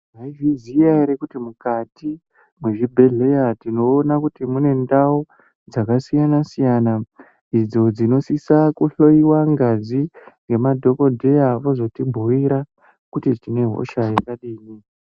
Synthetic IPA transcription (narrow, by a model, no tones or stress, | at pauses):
maiʐizijaiɾekutimukati | mweʐibʱe̞ɮe̞jatino̞ːnakutimune̞ndao | d͡zakasijanasijana | id͡zo̞d͡zino̞sisakuɬo̞iwaŋɡaziŋɡe̞madʱo̞ko̞dʱe̞jaʋo̞zo̞timbʱowiɾa | kutitine̞ɦo̞̰ʃajakaɗiːni